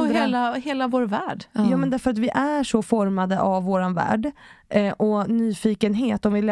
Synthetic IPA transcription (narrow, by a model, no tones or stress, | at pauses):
hːlaheːlavoːɾvæːɖjɑːmɛnd̪æɾfœɾat̪vɪʔæʂɔfɔɾmad̪əʔavːoːɾanvæ̰ːɖ | ʔɔnyːfiːkənɦeːt̪ɔmvɪl